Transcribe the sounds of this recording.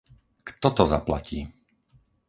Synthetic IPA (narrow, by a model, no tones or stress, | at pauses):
kt̪ɔt̪ɔza̰pla̰ciː